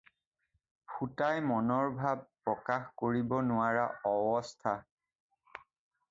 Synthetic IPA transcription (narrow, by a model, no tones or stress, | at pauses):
pʰutajmɔnɔɹbʱab̚pɹɔkaxkoɹibɔnʊaɹaɔbɔstʰa